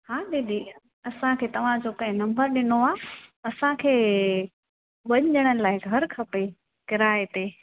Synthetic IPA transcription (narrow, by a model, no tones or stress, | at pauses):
haːɗed̪i | ɐsãkʰeːt̪ɐʋ̤ãd͡ʑoːkɐ̃ɦɪ̃nɐ̃mbəɾɗɪnoaːɐsãkʰeː | ʋɐɲʄəɽ̃əlaːɪɡʱɐɾkʰɐpe | kɪɾaːet̪eː